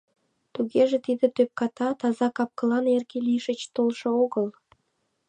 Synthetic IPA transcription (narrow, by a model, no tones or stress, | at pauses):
t̪uɣeʒĕt̪id̪ĕt̪øp̚kɑt̪ɑt̪ɑzɑkɑp̚kɤlˠɑnerkelʲijʃət͡ɕt̪olˠʃɤoɣəlˠ